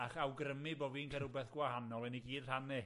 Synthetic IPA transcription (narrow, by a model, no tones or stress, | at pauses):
aχawɡrəmɨboːvinkʰəɾʊbɛθɡ̥wahanɔlˠɛniɡiːrranɪ